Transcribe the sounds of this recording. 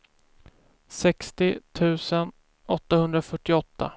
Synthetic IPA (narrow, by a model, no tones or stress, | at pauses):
sɛkst̪ɪt̪ʰʉ̟ːsən | ʔɔt̪ːahɵnd̪ɾafœʈːɪɔt̪ʰːa̰